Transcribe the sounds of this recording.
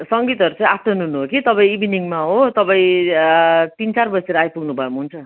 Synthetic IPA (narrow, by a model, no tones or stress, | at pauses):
sʌŋɡit̪ʌɾut͡sãĩapʰːʌnɦunuɦokit̪ʌpãĩibiniŋmaɦot̪ʌpãĩ | t̪int͡sarbʌseɾʌajpuɡnubʱʌmɦunt͡sʰʌ